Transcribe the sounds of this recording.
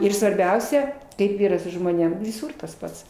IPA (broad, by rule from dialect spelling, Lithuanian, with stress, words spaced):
ɪr sʋɐrʲˈbʲɛʊsʲɛ ˈkɐɪp ˈiːrɐ sʊ ʒmoːˈnʲeːm ʋʲɪˈsuːr tɐs ˈpɐts